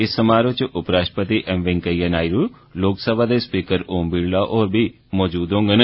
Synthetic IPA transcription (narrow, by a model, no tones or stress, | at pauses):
ɪsːəmaːɾot͡ʃʔʊpɾaːʃpət̪iːʔɛmʋɪ̃ŋkəijənaːiɾu | loːksəbʱaːd̪eːspiːkəɾoːmbiːɽlaːʔɔːɾbʱiː | mɔːd͡ʒuːd̪õːŋɡən